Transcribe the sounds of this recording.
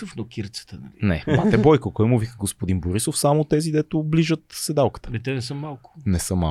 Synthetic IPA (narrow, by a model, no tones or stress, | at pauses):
əfnokʲiɾt̪sə̥t̪ənɐ̰lʲinɛmat̪ɛbɔjkəkɔjɛmʊvikəɡospod̪inboɾisofsamot̪ɛzid̪ɛt̪ʊbliʒət̪sɛd̪alˠkə̥t̪ə̥ɛt̪ɛnɛsəmːalˠkʊ̥nɛsəmːa̰